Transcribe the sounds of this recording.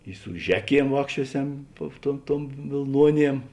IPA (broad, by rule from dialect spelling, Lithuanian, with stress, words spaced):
ɪ sʊ ˈʒʲæːˌkʲiɛm ˈʋɑːkʃʲt͡ʃʲuɔˌsʲɛm tuɔ tuɔm ˈtuɔm ʋʲeːlˠˈnuɔˌnʲiɛm